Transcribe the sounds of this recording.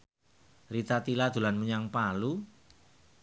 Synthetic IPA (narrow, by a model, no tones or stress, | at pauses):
rit̪at̪ilad̪̥ṳlanməɲaŋpalu